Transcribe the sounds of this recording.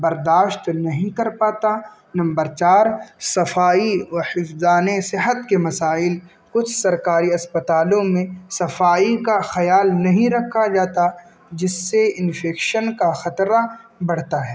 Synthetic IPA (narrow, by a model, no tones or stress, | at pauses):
bɐɾd̪aːʃt̪nɐɦĩkɐɾpaːt̪a | nɐ̃mbəɾt͡ʃaːɾsɐfaːiʋɐhɪfzaːnesɪɦət̪kemɐsaːɪl | kʊt͡ʃʰsɐɾkaːɾiɐspɐt̪aːlõmẽsɐfaːikaxɐjaːlnɐɦĩɾɐkʰːad͡ʒaːt̪a | d͡ʒɪsːeɪnfeːkʃənkaxɐt̪ɾabɐɽ̤t̪aɦɛː